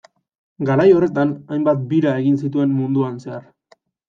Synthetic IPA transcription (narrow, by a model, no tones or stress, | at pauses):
ɡaɾajo̞re̞t̪anajmbat̪̚biɾae̞ɣinsit̪ue̞mmund̪uanse̞aɾ